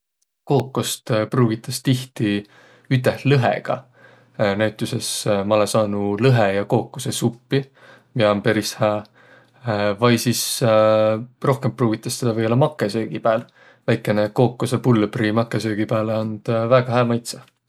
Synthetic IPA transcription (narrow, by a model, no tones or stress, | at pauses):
ko̞ːkːost̪pruːɡ̥it̪ːˑɑst̪iht̪i | yt̪ːˑehlɤɦḛɡ̥ɑ̰ | næɥt̪ːˑuse̞smɑlesɑːnulɤɦejɑko̞ːkːosesupːi | miɑompeɾishæː | vɑjsis | ro̞hke̞mpruːɡ̥it̪ːˑɑsːed̪ɑvɤolːɑmɑkːˑe̞sø̞ːɡ̥ipæːl | væjkːˑe̞neko̞ːkːosepulːb̥rimɑkːˑe̞sø̞ːɡ̥ipæːleond̪̥væːɡ̥ɑɦæːmɑjt̪sɑ